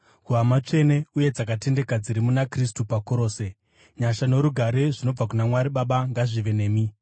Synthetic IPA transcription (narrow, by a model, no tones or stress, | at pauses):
kuamat͡ʂe̞ne̞uje̞d͡zakate̞nde̞kad͡ziɾimunakris̬tupakoɾo̞ːse̞ | ɲaʃano̞ɾuɡʱaɾe̞ʐino̞b͡vak̬unamwaɾiɓaɓaŋɡaʐiʋe̞ne̞ːmi